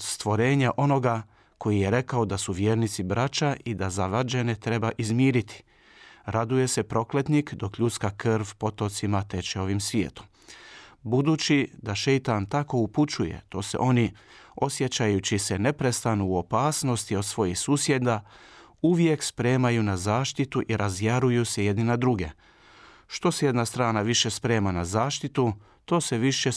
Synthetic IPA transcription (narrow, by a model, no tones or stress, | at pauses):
st̪ʋo̞ɾe̞ːɲaʔo̞no̞ɡa | ko̞jije̞ɾe̞kao̞d̪asuʋjeːɾnit̪sibɾʔat͡ʃaʔid̪azaʋɾad͡ʒenet̪ɾe̞baʔizmiːɾit̪ʰi̥ | ɾad̪uje̞se̞pɾo̞kle̞t̪nikd̪o̞kʎut̪skakrrʋpo̞t̪o̞t̪simat̪e̞t͡ʃeo̞ʋimsʋjḛːt̪u̥ | bud̪ut͡ʃid̪aʃejt̪ant̪ako̞uput͡ʃujḛt̪o̞ːsḛʔo̞nio̞sje̞t͡ɕajut͡ɕise̞ne̞pɾe̞st̪anuːo̞paːsno̞st̪io̞d̪sʋo̞jixsuːsje̞d̪auʋje̞kspɾe̞ːmajunazaːʃt̪it̪uʔiɾʔazjaɾujuseje̞d̪ninad̪ɾuɡe̞̰ | ʃt̪o̞seje̞d̪nast̪ɾaːnaʋiʃe̞spɾe̞ːmanazaːʃt̪it̪u | t̪o̞ːse̞ʋiʃe̞